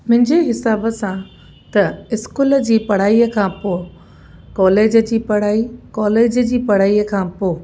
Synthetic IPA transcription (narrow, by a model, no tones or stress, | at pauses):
mʊ̃ɦɪ̃ɲd͡ʑeɦɪsaːbəsã | t̪ɐɪskuːləd͡ʑiːpɐɽ̤aːiəkʰãpoː | kɔːleːd͡ʑə̆d͡ʑiːpɐɽ̤aːikɔːleːd͡ʑəd͡ʑiːpɐɽ̤aːiːəkʰãːpoː